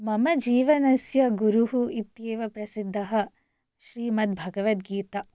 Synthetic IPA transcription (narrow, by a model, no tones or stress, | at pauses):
mɐmɐd͡ʒiːʋɐnɐsjɐɡuɾuɦuit̪jeːʋɐpɾɐsid̪ʱːɐɦɐ̆ | ʃɾiːmɐt̪̚bʱɐɡɐʋɐt̪̚ɡiːt̪ɐ